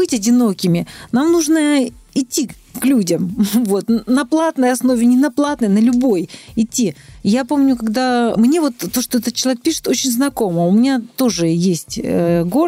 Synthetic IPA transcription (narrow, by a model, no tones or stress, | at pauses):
bɨtʲɐdʲɪno̞kʲɪmʲɪnamnuʐnəɪtʲːi | klʲudʲəmvo̞t̪nɐplˠat̪nəjɐsno̞vʲɪnʲɪnɐplˠat̪nəjnəlʲʊbo̞jɪtʲːijapo̞mnʲʊkɐɡd̪amnʲe̞vo̞t̪ːo̞ʂt̪o̞ɛt̪ət̪̚t͡ɕːɪlˠɐvʲek̚pʲiʂɨ̥t̪o̞t͡ɕɪnʲznɐko̞məʊmʲɪnʲat̪o̞ʐɨjesʲtʲə̰ɡo